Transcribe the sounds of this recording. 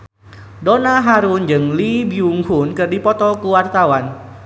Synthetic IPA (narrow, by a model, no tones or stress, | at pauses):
donaɦaɾund͡ʒɨŋlibiuŋhunkɨrdipɔt̪ɔkuwart̪awan